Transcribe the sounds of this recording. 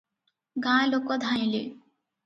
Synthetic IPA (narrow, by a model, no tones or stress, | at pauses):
ɡãlokɔd̪ʱãjli